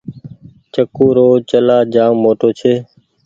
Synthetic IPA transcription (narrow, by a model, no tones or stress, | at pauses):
t͡ʃəkuːɾoːt͡ʃəlaːd͡ʒaːmːoːʈoːt͡ʃʰeː